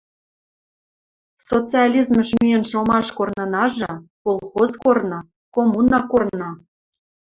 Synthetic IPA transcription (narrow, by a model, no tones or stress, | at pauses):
sot͡sɨɑlʲizməʃmijenʃomɑʃkornɤ̆nɑʒɤ̆kolˠxozkornɤ̆ | komunɑkornnɑ